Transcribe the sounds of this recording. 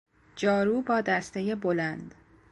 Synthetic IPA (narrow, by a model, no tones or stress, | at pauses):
d͡ʒɒːɾuːbɒːd̪æst̪ejebolænd̪